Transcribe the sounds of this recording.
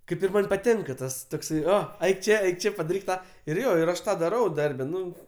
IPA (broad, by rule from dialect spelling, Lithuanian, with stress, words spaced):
ˈkɐɪp ɪr ˈmɐnʲ pɐˈtʲɪŋkɐ ˈtɐs toːkˈsɐɪ ˈoː ɐɪk ˈt͡ʃʲeː ɐɪk ˈt͡ʃʲɛ t͡ʃʲeː pɐdɐˈrʲiːk ˈtɑː ɪr ˈjoː ɪr ˈɐʃ ˈtɑː dɐˈrɐʊ ˈdɐrʲbʲɛ ˈnʊ